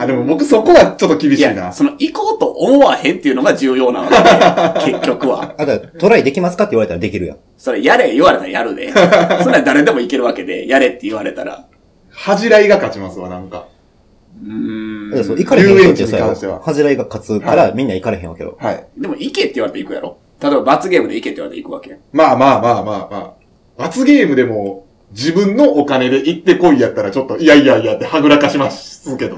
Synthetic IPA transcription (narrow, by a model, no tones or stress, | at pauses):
ad̪emobo̞kɯ̟soko̞βat͡ɕo̞t̪ːokʲibʲiɕjaːnaso̞no̞iko̞ːt̪o̞ʔomoβahẽ̞nt̪ːe̞iɯ̟no̞ɡad͡ʑɨːjo̞ːna̰βa̰kdeke̞kʲːo̞kɯ̟βa̰ad̪at̪o̞ɾaid̪e̞kʲimasɨ̥kat̪ːeiβaɾe̞t̪aɾad̪e̞kʲiɾɯ̟jã̰ | so̞ɾejaɾejɯβaɾe̞t̪aɾajaɾɯ̟d̪ḛɨnːaid̪aɾe̞d̪e̞mo̞ike̞ɾɯ̟βake̞d̪e̞̰jaɾe̞t̪ːe̞ɯβ̞aɾe̞t̪a̰ɾa̰ | haʑiɾaiɡakat͡ɕimasɨβa̰nãŋka | ɯ̃soikaɾeɯ̃ẽẽkeɲiojaaõɕt̪ea̰haʑiɾaiɡakat͡sɨkaɾamʲĩnːaikaɾe̞ɦẽa̰kḛd̪o̰haid̪e̞mo̞ike̞t̪ːeiɯβaɾet̪eikɯ̟ja̰ɾo̰ | t̪at̪oebabat͡sɨɡʲe̞ːmɯ̟d̪eike̞t̪ːeiβaɾeḛikɯ̟βa̰ke̞maːmaːmaːmaːma̰ː | bat͡sɨɡe̞ːmɯ̟d̪e̞mo̞ | d͡ʑibɯ̟̃nnːo̞ʔːkane̞d̪e̞ʔit̪ːe̞ko̞ijat̪ːaɾat͡ɕo̞t̪ːo̞iaijaijat̪ːe̞haɡɯ̟ɾakaɕimaɕsɨke̞d̪o